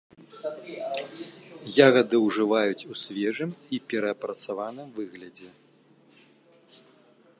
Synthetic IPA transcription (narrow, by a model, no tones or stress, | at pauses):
jaɣɐd̪ɨwʐɨvajut͡sʲusʲvʲɛʐɨmipʲɛɾɐːpɾɐt̪savanɨmvɨɣlʲɐd͡zʲɛ